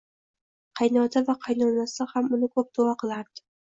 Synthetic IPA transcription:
qʰɑjnɒd̪avaqʰɑjnɒnasɪhamʊnɪkʰɵp̚d̪̥ʊɑqɨlˠaɾd̪̥ɪ

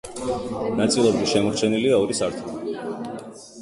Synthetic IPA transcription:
nat̪sʼilˠɔbɾiʃɛmɔɾt͡ʃʰɛniliaɔɾisaɾt̪ʰu

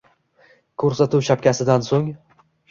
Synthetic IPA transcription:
kʰɵɾsat̪ʰuwʃap̚kʲasɪd̪ansoŋ

